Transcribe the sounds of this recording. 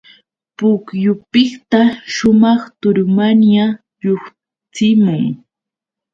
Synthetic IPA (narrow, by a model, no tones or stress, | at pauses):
pʊkjʊpɪkt̪aʃʊmɑχt̪ʊɾmanja | ɾoχ | t͡sɪmʊŋ